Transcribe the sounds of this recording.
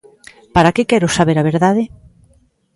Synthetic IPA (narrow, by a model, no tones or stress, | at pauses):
paɾakekɛɾʊsaβeɾaβ̞eɾðaðɪ